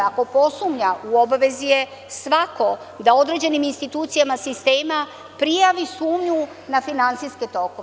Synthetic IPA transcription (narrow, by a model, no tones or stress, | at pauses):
ako̞po̞sumɲauo̞baʋe̞zije̞ | sʋako̞ | d̪ao̞d̪ɾed͡ʑe̞niminst̪it̪uːt̪sijamasist̪e̞ːma | pɾijaʋisuːmɲu | nafinant̪sijsket̪o̞ku